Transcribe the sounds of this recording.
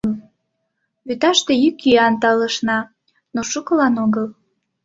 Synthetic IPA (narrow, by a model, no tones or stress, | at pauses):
βyt̪ɑʃt̪ejykiɑnt̪ɑləʃnɑ | noʃukəlɑnoɣəl